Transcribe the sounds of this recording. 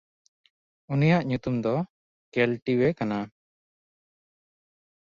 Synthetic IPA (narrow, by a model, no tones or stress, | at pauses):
unijaʔɲut̪umd̪ɔ | kɛlʈiwekana